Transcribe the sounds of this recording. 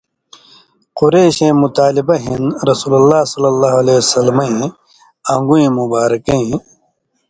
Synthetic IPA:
quɾeːɕẽːmut̪aːlibɐɦinɾɐsuːlɐlːaːsɐlːɐlːaːɦɐleːsɐlmɐẽ | ɐ̃ŋɡuẽmubaːɾkẽ

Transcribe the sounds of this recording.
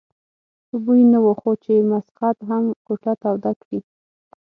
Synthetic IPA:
subujnawoxot͡ʃemasxat̪ɦamkoʈat̪awd̪akɽi

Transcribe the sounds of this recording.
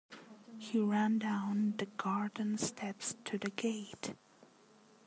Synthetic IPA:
hiɹæ̃ndãʊ̃nðɨɡɑɹdⁿn̩stʰɛpstʰɨðɨɡeɪt

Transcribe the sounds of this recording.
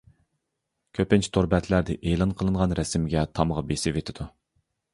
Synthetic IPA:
kʲʰøpɪnt͡ʃʰi̥t̪ʰoɾbɛt̪ʰlæɾd̪ɪʔeːlˠɑnqʰəlˠɨɴʁɑnɾɛsɪmɡʲɛt̪ʰɑməʁɑbesɪvet̪ʰɪd̪̥u

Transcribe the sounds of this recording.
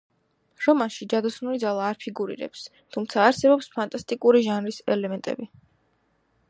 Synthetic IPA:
ɾɔmaʃid͡ʒad̪ɔsnulid̪zalˠaːɾpʰiɡuɾḭɾɛ̰ps | t̪ʰumt̪sʰaːɾsɛbɔpspʰant̪ʼast̪ʼikʼuɾiʒanɾisɛlɛmɛnt̪ʼɛ̰bi

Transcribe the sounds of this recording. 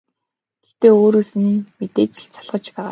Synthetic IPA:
ɡ̥et̪eːoːɾoːsɘ̆nmet̪eːt͡ɕɪ̆ɮt͡sʰaɮʁ̥ə̆t͡ɕpæːʁa̰ː

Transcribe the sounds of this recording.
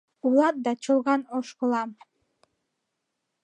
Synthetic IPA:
ulˠɑt̪̚d̪ɑt͡ʃʰɯlˠʁɑnoʃkolˠɑm

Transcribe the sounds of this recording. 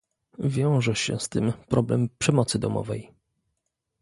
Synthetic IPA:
vʲjɔ̃w̃ʐɛɕɛ̰st̪ɘmpɾɔblɛmpʂɛmɔt̪sɘd̪ɔmɔ̰vɛj

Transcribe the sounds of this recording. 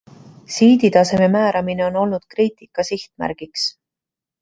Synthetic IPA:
siːd̪̥it̪ɑse̞me̞mæːɾɑmine̞o̞no̞lnud̪̥kriːt̪ˑikːɑsiht̪mæ̰ɾɡ̥iks

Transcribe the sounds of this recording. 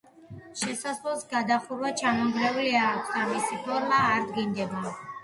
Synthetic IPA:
ʃɛsaslˠɔsɡad̪aχuɾwat͡ʃʰamɔmɡ̪lɛuliakʷʰsd̪amisipʰɔɾmaːɾd̪ɡind̪ɛba

